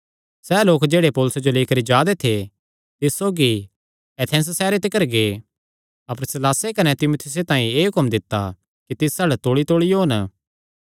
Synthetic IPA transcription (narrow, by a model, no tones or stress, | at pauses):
sɛːloːkd͡ʒeːɽepɔːlʊsed͡ʒoleːkəɾid͡ʒaːd̪et̪ʰe | t̪ɪssoːɡi | ɛt̪ʰɛ̃ːs̬sɛːɾet̪ɪkəɾɡeː | ɐpəɾsɪlaːsekɐnɛt̪ɪmoːt̪ʰɪjʊs̬et̪ãːĩeːɦʊkəmd̪ɪt̪ːa | kit̪ɪsɐɽt̪oːɽit̪oːɭijoɦɐn